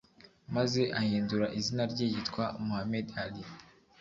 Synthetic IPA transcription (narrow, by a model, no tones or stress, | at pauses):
maze̞ʔahiːnduɾaʔizinaɾɟeːɟitkwamuhamedali